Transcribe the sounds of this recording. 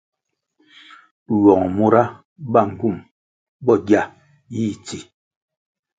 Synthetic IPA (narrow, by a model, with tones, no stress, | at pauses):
wɔ˨ŋ˨mo˦ɾa˦ | ba˦˨ŋ̩˨ku˦˨m | bɔ˦˨ɡja˦˨ | ji˦˨t͡si˨